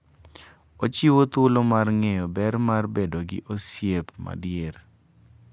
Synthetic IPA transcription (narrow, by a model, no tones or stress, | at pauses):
ot͡ʃiwot̪ʊlomarŋɛjɔbɛrmarbedoɡɪ̰ʔosjepma̰djer